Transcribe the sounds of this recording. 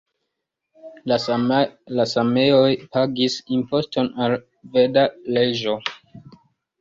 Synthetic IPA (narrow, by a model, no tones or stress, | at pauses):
lasame̞o̞jpaɡisimpo̞sto̞nal | vedaleʒo̞